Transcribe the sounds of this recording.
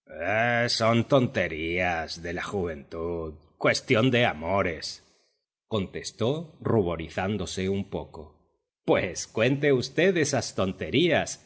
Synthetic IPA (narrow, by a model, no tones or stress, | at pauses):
eso̞nt̪o̞nt̪e̞ɾiazðe̞laxuβ̞e̞nt̪uðkwe̞st̪jo̞nd̪e̞amo̞ɾe̞s | ko̞nt̪e̞st̪o̞ruβo̞ɾiθand̪o̞se̞umpo̞ko̞̰ | pwe̞skwe̞nt̪eust̪e̞ðesast̪o̞nt̪e̞ɾias